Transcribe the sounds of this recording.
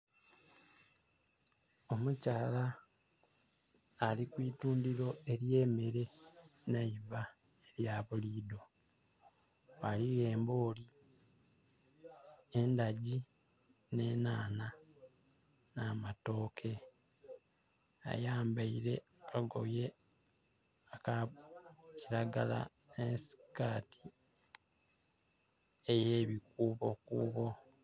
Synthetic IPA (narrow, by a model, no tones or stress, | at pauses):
o̞mucaːla | likwiːtuːndiɾo̞e̞ɾje̞ːmeɾe̞naiva | eɾjaβuliːdo̞ | aliɣe̞ːmbo̞ːli | endaɟi | ne̞ːnaːna | namato̞ːkʰe | a̰jaːmbaiɾe̞akaɡo̞̰je̞ | aka | ciɾaɡala̰ | nensi̥kaːtʰi | eje̞ːβikuːβo̞kuːβo̞